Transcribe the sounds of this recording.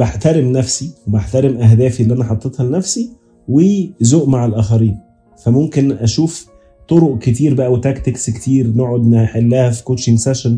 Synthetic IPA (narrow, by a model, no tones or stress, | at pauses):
baħt̪æɾemnæfsiwebaħt̪æɾemʔæɦd̪æːfielːʔænæħɑt̪ˤːet̪hɑlenæfsi | wezoːʔmaʕalʔæːxæɾiːn | fæmomkenʔæʃuːf | t̪ˤoɾoʔket̪̬iːɾbæʔæwet̪ækt̪ekskt̪iːɾnoʕod̪maħelːæhæfi̥koːʃiŋɡsæʃæn